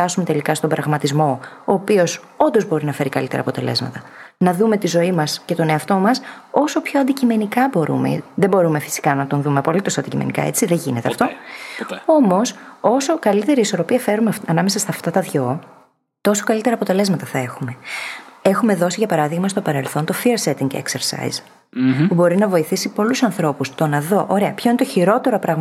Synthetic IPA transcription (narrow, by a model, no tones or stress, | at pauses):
ɐsume̞t̪e̞likɐst̪ombɾɐɣmɐt̪izmo̞oːpio̞s | o̞nd̪o̞zbo̞ɾinɐfe̞ɾikɐlit̪e̞ɾɐ̰pot̪e̞̰le̞̰zmɐ̰t̪ɐnɐðume̞t̪izo̞imɐsce̞t̪o̞ne̞ɐft̪o̞mɐso̞so̞pçoɐnd̪icime̞nikɐbo̞ɾṵmḛðe̞bo̞ɾumefi̥si̥kɐnɐt̪o̞nðume̞ɐpo̞lit̪osɐnd̪icimḛnikɐ̰e̞̰t͡siðeʝine̞t̪eɐft̪o̞ | o̞mo̞so̞so̞kɐlit̪e̞ɾiːso̞ɾopiɐfe̞ɾumefɐnɐmesɐst̪ɐft̪ɐt̪ɐðʝo̞ | t̪o̞so̞kɐlit̪eɾɐːpo̞t̪e̞le̞zmɐt̪ɐθɐe̞xume̞ | e̞xume̞ðo̞siʝɐpɐɾɐðiɣmɐst̪o̞pɐɾe̞lθo̞nt̪o̞fiɾset̪iŋɡḛkseɾsɐ̰j̰z | pubo̞ɾinɐvo̞iθisipo̞lusɐnθɾo̞pust̪o̞nɐðoʔoɾe̞ɐpçoinet̪oçiɾo̞t̪e̞ɾopɾɐɣm